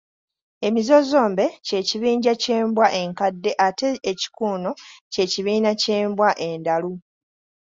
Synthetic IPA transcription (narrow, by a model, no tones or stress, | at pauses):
e̞mizo̞zo̞ːmbe̞ce̞ciβiːɲɟace̞ːmbwaʔe̞ŋkadːe̞ʔateːci̥kuːno̞ce̞ciβiːnace̞ːmbwaʔe̞ndalu